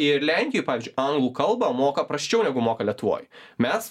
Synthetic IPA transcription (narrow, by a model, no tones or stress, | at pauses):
ɪɾlʲæŋʲkʲɪjoɪpɑːɪzʲd͡ʒʊɪʔɐŋɡlˠuːkɐlˠbɐmoːkɐpɾɐsʲt͡ʃʲɛʊnʲɛɡʊmoːkɐlʲiɛt̪ʊʋo̰ːjmʲɛs